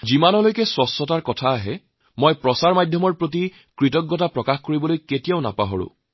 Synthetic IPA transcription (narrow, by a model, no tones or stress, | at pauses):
zimanɔlojkɛswɔsːɔtaɹkɔtʰaːɦɛ | mojpɹɔsaɹmajdʱjɔmɔɹpɹot̬i | kɹitɔɡːɔtapɹɔkaxkoɹibɔlojketijaʊna̰paɦɔɹʊ̰̃